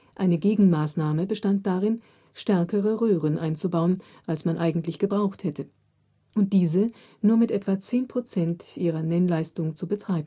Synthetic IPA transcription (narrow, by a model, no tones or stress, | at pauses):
ʔaɪnəɡeːɡŋ̩maːsnaːməbəʃtant̚d̥aʁɪn | ʃtɛɐkəʁəʁøːʁənʔaɪnt͡subaʊən | ʔalsmanʔaɪɡŋ̩tlɪçɡ̥əbʁaʊxthɛtʰə | ʔʊnt̚d̥iːzə | nuːɐmɪtʔɛtv̥at͡seːnpʁ̥ot͡sɛntʔiːʁɐnɛnlaɪstʊŋt͡subətʁ̥aɪbm̩